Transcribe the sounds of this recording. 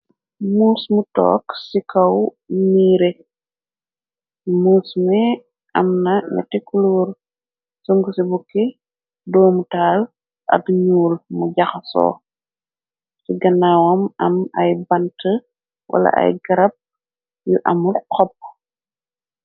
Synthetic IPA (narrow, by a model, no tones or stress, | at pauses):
muːsmutɔ̰ːksikɐw | niːɾɛ | muːsmɛ | ʔɐmnɐɲɛ̰tːikuluːr | suŋɡusibukːɛ | dɔːmutaːl | ʔɐ̰kɲuːlmuɟɐxɐsɔ̰ː | siɡɐnːawɐmɐmɐjbɐntə | wʔɐ̰lɐ̰ʔɐ̰jɡɐɾɐp̚ | juʔɐmurqʰɔp̚ː